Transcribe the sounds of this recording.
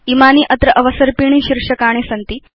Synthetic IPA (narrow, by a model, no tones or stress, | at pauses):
imaːniːʔɐt̪ɾɐʔɐʋɐsəɾpiɳ̃iːɕiɾʂɐkaːɽ̃esɐnt̪iː